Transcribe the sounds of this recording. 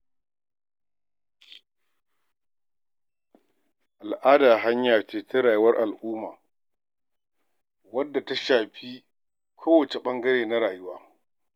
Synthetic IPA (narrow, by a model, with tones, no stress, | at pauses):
ʔa˨lʔaː˦daː˨ɦa˦ɲjaː˨t͡ʃeː˨te˦ɾaː˨jʊ˦wɐ˦rʔa˨lʔuː˦maː˨ | wɐ˦dːa˨ta˦ʃaː˨ɸi˦ | kʰoː˦wɐ˨t͡ʃe˨ɓɐ˦ŋɡɐ˦ɾeː˨na˦ɾaː˨jʊ˦waː˦